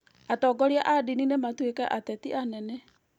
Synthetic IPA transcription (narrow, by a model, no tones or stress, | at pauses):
atɔɡɔɾeaʔadininematwekɛʔatɛtiʔanɛnɛ